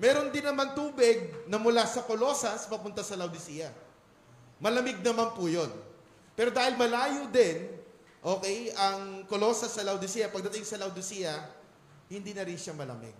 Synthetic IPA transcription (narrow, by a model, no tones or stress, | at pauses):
mɛːɾond̪ɪnːɐmant̪uːbɪɡ̚nɐmʊlasɐkolo̞ːsɐspɐpʊnt̪ɐsɐlɐwd̪ɪsijɐ | mɐlɐmɪɡ̚nɐmanpʊjo̞n | pɛːɾod̪aːhɪlmɐlaːjʊd̪ɪn | ʔo̞ːkɛjʔɐŋkolo̞ːsɐsːɐlɐwd̪ɪsijɐpɐɡ̚d̪ɐt̪ɪŋsɐlɐwd̪ɪsiːjɐ | hɪnd̪iːnɐɾɪnʃamɐlɐ̰mɪ̰ɡ̚